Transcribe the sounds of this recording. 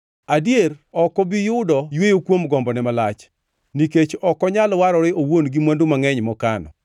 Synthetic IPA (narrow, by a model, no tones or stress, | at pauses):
adjeɾɔkɔbijʊdɔjwejokwomɡɔmbɔnɛmalat͡ʃ | niket͡ʃɔkɔɲalɔwaɾɔɾɪowonɡimwandumaŋɛɲmɔkanɔ̰